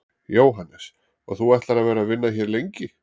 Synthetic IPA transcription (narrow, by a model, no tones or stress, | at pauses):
joːwɦanːɛs | ɔɣθuɛht̪laɾaðvɛːɾaðvɪnːaçɛɾlejɲcɪ